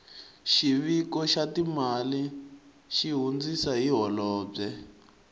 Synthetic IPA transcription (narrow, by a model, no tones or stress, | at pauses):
ʃiβikɔʃatimali | ʃiɦund͡zisaɦiɦɔlɔːb͡ʐɛ